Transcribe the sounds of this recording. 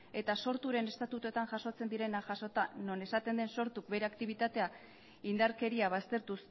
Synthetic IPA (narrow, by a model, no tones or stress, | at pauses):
e̞t̪aso̞ɾt̪uɾe̞ne̞st̪at̪ut̪ot̪aŋʝaso̞t͡se̞nd̪iɾe̞naʝaso̞t̪ano̞ne̞sat̪e̞nd̪e̞nso̞ɾt̪uk̚be̞ɾeakt̪iβ̞it̪at̪e̞a | ind̪aɾke̞ɾiaβ̞ast̪e̞ɾt̪us